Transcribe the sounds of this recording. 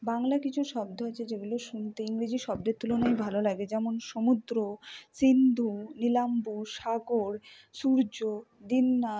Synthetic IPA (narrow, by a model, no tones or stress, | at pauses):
baŋlakit͡ɕʰuʃɔbd̪ʱoat͡ɕʰed͡ʑeɡuloʃunt̪eiŋɾid͡ʑiʃɔbd̪eɾt̪ulonajbʱalolaɡed͡ʑɛmonʃomud̪ɾosind̪ʱunilambuʃaɡoɾ | suɾd͡ʑo | d̪inːa